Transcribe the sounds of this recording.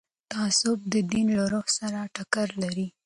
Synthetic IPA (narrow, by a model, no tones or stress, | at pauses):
t̪aːsʊb̚d̪əd̪inlaɾohsaɾaʈakaɾlaɾi